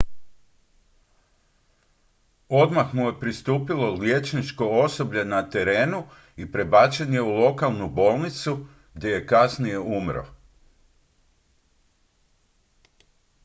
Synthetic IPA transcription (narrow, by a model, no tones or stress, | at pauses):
o̞d̪maxmuje̞pɾist̪uːpilo̞lje̞t͡ʃnit͡ʃko̞oso̞bʎenat̪e̞ɾeːnu | ipɾe̞bat͡ʃenje̞ulˠo̞kalˠnubo̞ːlˠnit̪su | ɡd̪ʲje̞je̞kasnije̞umɾo̰